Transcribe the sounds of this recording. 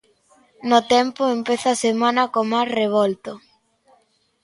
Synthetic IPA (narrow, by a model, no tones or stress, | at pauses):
not̪ɛmpoempeθasemãnɐkomajsreβ̞olt̪o